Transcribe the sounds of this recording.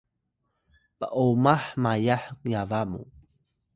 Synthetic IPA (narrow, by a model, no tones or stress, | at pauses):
pəʔumaħmajaħŋjavamṵ